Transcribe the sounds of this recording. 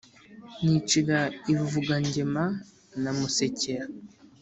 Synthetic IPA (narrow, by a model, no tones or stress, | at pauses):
nit͡ʃiɡaivuɡaɲɟema | namuse̞ceɾa